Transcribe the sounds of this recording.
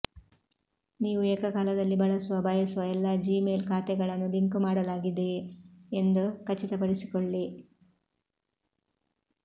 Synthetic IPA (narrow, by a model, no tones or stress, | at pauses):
niːʋueːkɐkaːlɐd̪ɐlːibɐɭɐsuʋɐbʱɐjɐsuʋɐɛlːɐd͡ʒiːmeːlkaːt̪ɛɡɐɭɐnːud̪iŋkumaːɽɐlaːɡid̪eː | nd̪ukɐt͡ʃːit̪ɐpɐɽisi̥koɭːi